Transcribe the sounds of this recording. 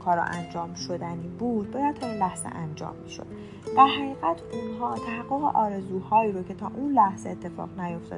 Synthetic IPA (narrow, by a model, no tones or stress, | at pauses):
kʰɒːɾɒ̰ʔænd͡ʒɒːmʃo̞d̪æniːbuːd̪̚bɒːjæd̪̚t̪ʰɒːunlæhz̥ḛʔænd͡ʒɒ̰ːmːiʃo̞̰d̪̥ | d̪æɾɦæɣiːɣæt̪ʰunɦɒːt̪ʰæɦæɡːoɣḛʔɒːɾe̞zuːhɒːiːɾocʰe̞t̪ʰɒːʔunlæhz̥eːt̪ʰːe̞fɒ̰ːʁnæjo̞ft̪ɒ̰d̪